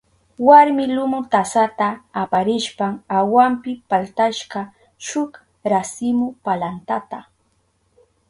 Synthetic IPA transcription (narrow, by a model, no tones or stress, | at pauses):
waɾmɪlʊmʊt̪asat̪aːpaɾɪʃpaŋawampɪpalt̪aʃɢɑ | ʃʊk | ɾasɪmʊpalant̪at̪a